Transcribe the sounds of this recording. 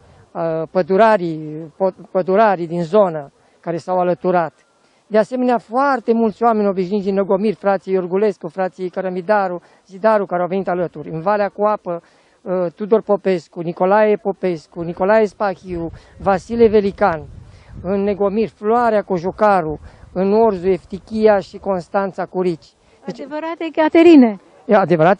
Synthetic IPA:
apəd̪uɾaɾipopəd̪uɾaɾid̪inzo̞nə | kaɾe̞sawalət̪uɾat̪ | d̪ease̞me̞neafoart̪e̞mult̪sʲoame̞nʲo̞biʃnit̪d̪inːeɡo̞mirʲfɾat̪sijejorɡule̞skufɾat̪sijejkaɾəmid̪aɾu | zid̪aɾukaɾeawve̞nit̪alət̪uɾʲɨnvaleakuapə | t̪ud̪o̞rpo̞pe̞skuniko̞lajepo̞pe̞skuniko̞lajespaxiuvasileve̞likanɨnːeɡo̞mirfloaɾeakoʒokaɾuɨnorzue̞ft̪ikʲijaʃiko̞nst̪ant̪sakuɾit͡ʃʲ | d̪̥et͡ʃevəɾat̪ekat̪eɾine | ad̪e̞vəɾat̪e

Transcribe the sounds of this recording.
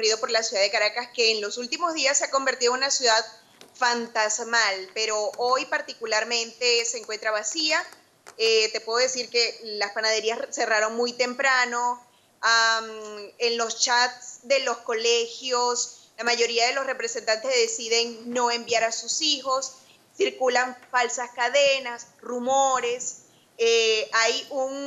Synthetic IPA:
riðo̞po̞ɾlasjuðaðe̞kaɾakaske̞ːnlo̞sult̪imo̞zðiasːeako̞mbe̞ɾt̪iðonunasjuðað | fant̪azmalpe̞ɾo̞ʔo̞jpaɾt̪ikulaɾmẽ̞nt̪e̞seːŋkwe̞nt̪ɾaβasia | et̪e̞pweðoðesiɾke̞laspanaðe̞ɾiasse̞raɾo̞ŋmujt̪e̞mpɾano̞ | amenlo̞st͡ʃat̪sd̪e̞lo̞sko̞lexjoslamaʝo̞ɾiaðe̞lo̞sre̞pɾe̞se̞nt̪ant̪ezðe̞siðe̞ŋno̞e̞mbjaɾasusixo̞sː | iɾkulaɱfalsaskaðe̞nasrumoɾe̞s | eajuŋ

